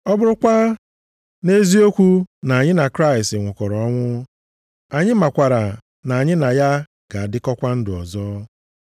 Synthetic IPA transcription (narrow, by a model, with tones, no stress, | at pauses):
ɔ˦bʊ˦ɾʊ˦kʷa˦ | ne˦zi˦o˦kʷu˦na˨a˨ɲɪ˦na˨kɾa˦ɪ˨stɪ˨ŋʷʊ˨kɔ˨ɾɔ˨ɔ˦ŋʷʊ˦ | a˨ɲɪ˦ma˨kʷa˨ɾa˨ | na˨a˨ɲɪ˦na˨ja˦ | ɡ̥a˨a˨dɪ˦kɔ˦kʷa˦n̩˦dɪ˨ɔ̰˨zɔː˦